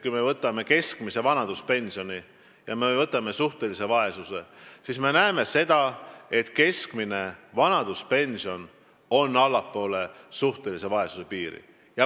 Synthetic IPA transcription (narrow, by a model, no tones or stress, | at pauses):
kujme̞vɤt̪ːˑɑme̞ke̞skmise̞vɑnɑd̪̥uspe̞nʲsio̞nʲi | jɑme̞vɤt̪ːˑɑme̞suht̪e̞lise̞vɑe̞suse̞sisme̞næeme̞se̞d̪̥ɑe̞t̪ke̞skmine̞vɑnɑd̪̥uspe̞nsio̞n | o̞nːɑlːɑpːˑo̞ːle̞suht̪e̞lise̞vɑe̞suse̞piːɾḭ | jɑ